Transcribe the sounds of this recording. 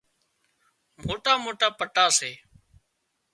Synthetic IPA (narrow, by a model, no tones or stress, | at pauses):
moːʈaːmoːʈaːpəʈaːseː